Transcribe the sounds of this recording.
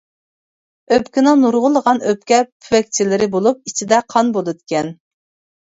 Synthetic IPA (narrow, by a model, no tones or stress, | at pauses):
øpkʲɪnɪŋnuɾʁʊlˠəʁɑnøp̚kʲɛpʰywɛk̚ʲt͡ʃʰilɪɾɪbolˠup̚it͡ʃʰid̪ɛqʰɑnbolˠɨd̪ɪkʲɛn